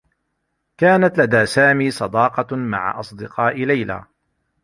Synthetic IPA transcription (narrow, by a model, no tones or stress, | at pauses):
kaːnat̪lad̪aːsaːmiːsˤɑd̪ɑːqɑma̰ʕa̰ʔɑsˤd̪ɨqʰɑːʔɪlajla̰ː